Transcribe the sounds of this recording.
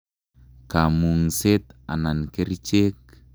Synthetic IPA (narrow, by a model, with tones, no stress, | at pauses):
ka˨mu˨ŋse˦t̪a˨na˨nke˦ɾit͡ʃe˦k̚